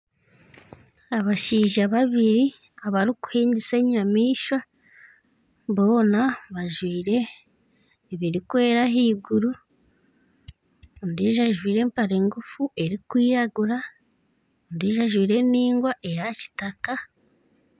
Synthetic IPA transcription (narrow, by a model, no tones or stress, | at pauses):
aβaʃiːʒaβaβiɾi | aβaɾiku̥hiːɲɟise̞ːɲamiːʃa | βo̞ːnaβaʒwiːɾe̞ | βiɾikwe̞ːɾaɦiːɡuɾu | ndiʒaʒwiːɾe̞ːmpaɾe̞ːŋɡufuʔe̞ɾikwiːjaɡuɾa | ndiːʒaʒwiːɾe̞niːŋɡwaʔe̞jaci̥taka